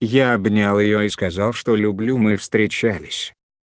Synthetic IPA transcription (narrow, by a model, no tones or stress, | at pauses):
jaɐbnʲalˠjɪjoiskɐzalˠʂt̪olʲʊblʲumɨfst̪ɾʲɪt͡ɕalʲɪsʲ